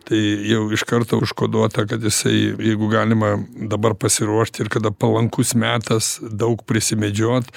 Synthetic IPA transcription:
t̪ɐɪjɛʊɪʃkɐrt̪oʃkoːd̪oɔt̪ɐkɐt̪jɪsɐɪjɛɪɡʊɡɑːlʲɪmɐd̪ɐbɐrpɐsʲɪɾuɔʃt̪ʲɪrkɐd̪ɐpɐlˠɐŋkʊsmʲæːt̪ɐsd̪ɐʊkpʲɾʲɪsʲɪmʲɛd͡ʒʲoːt̪

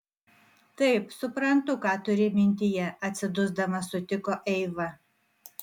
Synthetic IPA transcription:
t̪ɐɪpsʊpɾɐnt̪ʊkɑːt̪ʊɾʲɪmʲɪnʲt̪ʲɪjɛɐt̪ʲsʲɪd̪ʊzd̪ɐmɐsʊt̪ʲɪkoːʔɛɪʋɐ

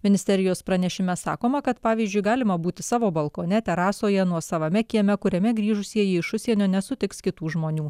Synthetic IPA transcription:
mʲɪnʲɪsʲt̪ʲɛɾʲɪjoːspɾɐnʲɛʃʲɪmʲɛsɑ̰ːkoːmɐkɐt̪pɑːʋʲiːzʲd͡ʒʲʊɪɡɑːlʲɪmɐbuːt̪ʲɪsɑːʋoːbɐlˠkoːnʲɛt̪ʲɛɾɑːsoːjɛnuɔsɐʋɐmʲɛkʲiɛmʲɛkʊɾʲɛmʲɛɡɾʲiːʒʊsʲiɛjiɪʃʊsʲiɛnʲoːnʲɛsʊt̪ʲɪkskʲɪt̪uːʒmoːnʲuː

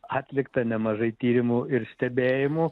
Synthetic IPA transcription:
ɑːt̪ʲlʲɪkt̪ɐnʲɛmɐʒɐɪt̪ʲiːɾʲɪmʊɪɾsʲt̪ʲɛbʲeːjɪmʊ

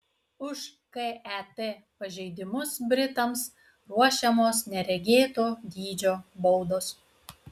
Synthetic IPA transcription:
ʊʃ | keɛt̪e | pɐʒʲɛɪd̪ʲɪmʊsbʲɾʲɪt̪ɐms | ɾuɔʃʲɛmoːsnʲɛɾʲɛɡʲeːt̪oːd̪ʲiːd͡ʒʲoːbɔʊd̪oːs

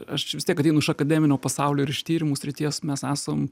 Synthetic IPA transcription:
ɐʃt͡ʃʲʋʲɪst̪ʲiɛkɐt̪ʲɛɪnʊɪʃɐkɐd̪ʲæːmʲɪnʲoːpɐsɑʊlʲoːɪɾɪʃt̪ʲiːɾʲɪmuːsʲɾʲɪt̪ʲiɛsmʲɛsæːsɐm

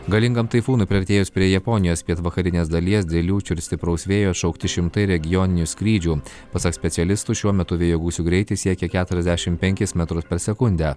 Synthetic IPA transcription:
ɡɐlʲɪŋɡɐmt̪ɐɪfuːnʊpʲɾʲɪɐɾʲt̪ʲeːjʊspʲɾʲiɛjɛpɔnʲɪjoːspʲiɛt̪ʋɐkɐɾʲɪnʲeːsd̪ɐlʲiɛsd̪ʲɛlʲuːt͡ʃʲʊɪɾst̪ʲɪpɾɐʊsʲʋʲeːjoːʃɐʊkt̪ʲɪʃʲɪmt̪ɐɪɾʲɛɡʲɪjɔːnʲɪnʲuːsʲkʲɾʲiːd͡ʒʲuː | pɐsɐksʲpʲɛt̪ʲɛlʲɪst̪uːʃʲuɔmʲɛt̪ʊʋʲeːjoːɡuːsʲuːɡɾʲɛɪt̪ʲɪsʲiɛkʲɛkʲæːt̪ʊɾʲɛzʲd̪ʲæʃʲɪmpʲɛŋʲkʲɪsmʲɛt̪ɾʊspʲɛɾsʲɛkʊnʲd̪ʲæː

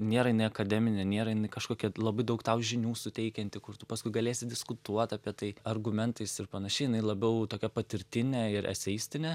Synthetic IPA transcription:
nʲeːɾɐjɪnɐɪɐkɐd̪ʲɛmʲɪnʲɛnʲeːɾɐjɪnɐɪkɐʃkoːkʲɛlˠɐbɐɪd̪ɐʊkt̪ɐʊʒʲɪnʲuːsʊtʲɛɪkʲɛnʲt̪ʲɪkʊrt̪ʊpɐskʊɪɡɐlʲeːsʲɪdʲɪskʊt̪uɔt̪ɑːpʲiɛt̪ɐɪɐrɡʊmʲɛnt̪ɐɪsɪrpɐnɐʃʲɛɪjɪnɐɪlˠɐbʲɛʊt̪oːkʲɛpɐt̪ʲɪɾʲt̪ʲɪnʲɛɪɾʔɛ̰sʲɛjsʲt̪ʲɪnʲɛ

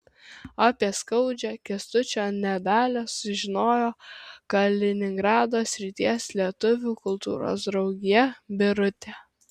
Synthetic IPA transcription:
ɑpʲiɛskɐʊd͡ʒʲɛkʲɛst̪ʊt͡ʃʲoːnʲɛd̪ɑːlʲosʊʒʲɪnoːjoːkɐlʲɪnʲɪŋɡɾɑːd̪oːsʲɾʲɪt̪ʲiɛslʲiɛt̪ʊʋʲuːkʊlˠt̪ṵːɾo̰ːs̬d̪ɾɒʊɡʲɪjɛbʲɪɾʊt̪ʲeː

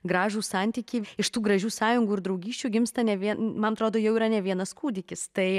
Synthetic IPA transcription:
ɡɾɑːʒuːsɑnʲt̪ʲiːkʲiːɪʃt̪uːɡɾɐʒʲuːsɑːjʊŋɡuːɪɾd̪ɾɐʊɡʲiːʃʲt͡ʃʲuːɡʲɪmst̪ɐnʲɛʋʲiɛnmɐnɐt̪ɾoːd̪oːjɛʊiːɾɐnʲɛʋʲiɛnɐskuːd̪ʲɪkʲɪst̪ɐɪ

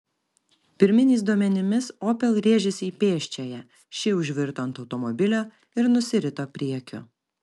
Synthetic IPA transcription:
pʲɪɾʲmʲɪnʲiːs̬d̪uɔmʲɛnʲɪmʲɪsoːpʲɛlˠɾʲeːʒʲɪsʲiːpʲeːʃʲt͡ʃʲɛjɛ | ʃʲɪʊʒʲʋʲɪɾt̪oːnt̪ɒʊt̪ɔmɔbʲɪlʲoː | ɪɾnʊsʲɪɾʲɪt̪oːpʲɾʲiɛkʲʊ̰

